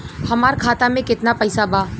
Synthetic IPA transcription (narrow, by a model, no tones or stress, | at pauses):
hɐmaːɾkʰaːt̪amẽkɪt̪napɛjsabaː